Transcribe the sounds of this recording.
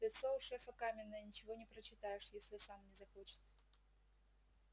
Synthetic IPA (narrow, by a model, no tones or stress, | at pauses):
lʲɪt̪soʊʂɛfəkamʲɪnːəjənʲɪt͡ɕɪvonʲɪpɾət͡ɕːɪt̪ajɪʂjesʲlʲɪsamnʲɪzɐxot͡ɕɪ̥t̪